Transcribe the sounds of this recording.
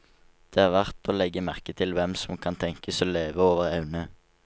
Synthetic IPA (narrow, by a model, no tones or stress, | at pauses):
d̪̥eːhɑːʁʋæʁt̪oːlɛɡəmæʁkət̪ʰɪlʋɛmsɔmkʰɑnt̪ʰɛŋkəsoːleːʋəoːʋəʁɑʉnə